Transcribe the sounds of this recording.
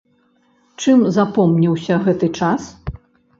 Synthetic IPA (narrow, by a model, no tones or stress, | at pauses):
t͡ʂɨmzapɔmnʲiwsʲɐɣɛt̪ɨt͡ʂas